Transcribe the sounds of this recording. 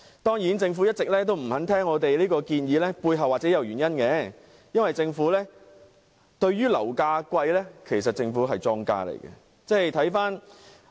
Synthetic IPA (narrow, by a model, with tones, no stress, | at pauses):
t̪ɔː˥ŋjiː˨˥nt͡sɪ˧ŋfu˨˥jɐ˥t̚t͡sɪ˨k̚lɛː˥t̪̬o˥wm̩˨˩hɐ˨˥nt̪ʰɛː˥ŋːɔː˨˧t̪e˨˩jliː˥kɔː˧kiː˧njiː˨˧˥lɛː˥puː˧jɦɐ˨waː˨t̚t͡sɛː˨˥jɐ˨˧wɥyː˨˩njɐ˥nkɛ˨˧ | jɐ˥nwɐ˨jt͡sɪ˧ŋfuː˨˥lɛː˥ | t̪ɵ˧ɥɥyː˥lɐ̰˨˩wkaː˧kʷɐ˧jlɛː˥kʰe˨˩js̬ɐ˨t̚t͡sɪ˧ŋfuː˨˥ɦɐ˨jt͡sɔː˥ŋka̰ː˧lḛ˨˩jɡɛ̰˧ | t͡sɛː˥jt̪ʰɐ˨˥jfaː˥n